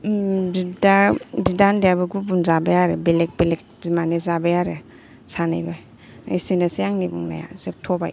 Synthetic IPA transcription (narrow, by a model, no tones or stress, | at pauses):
bidabidandjabɯɡubunzabajaɾɯbelek̚belek̚ | manezabajaɾe | sanajbaj | a̰jsinasijaŋnibuŋna̰ja̰zep̚tʰɔba̰j